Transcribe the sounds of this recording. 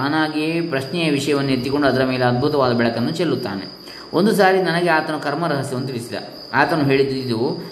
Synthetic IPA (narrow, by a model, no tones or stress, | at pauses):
anaːɡepɾɐʃnɛjɐʋiʂɐjɐʋɐnːuet̪ːiko̞ɳɖuɐd̪ɐɾɐmeːleɐd̪̚bʱut̪ɐʋaːd̪ɐbɛɭɐkɐnːut͡ʃelːut̪ːa̰ːnḛ | ond̪us̬aːɾinɐnɐɡeaːt̪ɐnukɐɾmɐɾɐɦɐsjɐʋunt̪iɭisid̪ɐ̰ | aːt̪ɐnuɦe̞ːɭid̪id̪u